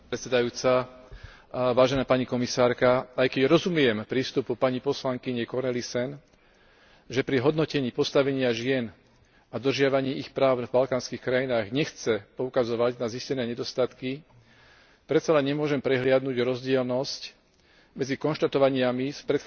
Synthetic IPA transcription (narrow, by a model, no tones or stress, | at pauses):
ɛsɛd̪ajuːt͡sa | ʋaːʒɛnaːpaɲikɔmisaːɾkaajkɛɟɾɔzumɪjɛmpɾiːst̪upupaɲipɔslaŋkiɲɛkɔɾnɛlisɛn | ʒɛpɾiɦɔd̪nɔcɛɲiːpɔst̪aʋɛɲɪaʒɪɛn | ad̪r̩ʒɪaʋaɲiːʔixpɾaːʊvbalkaːnskiːxkɾajinaːɣɲɛxt͡sɛpɔukazɔʋaɟnaziscɛnɛːɲɛd̪ɔst̪at̪ki | pɾɛt̪t͡salɛɲɲɛmʊɔʒɛmpɾɛɦlɪad̪nuɟɾɔzɟɪɛlnɔsc | mɛd͡zikɔnʃt̪at̪ɔʋaɲɪamispɾɛt̪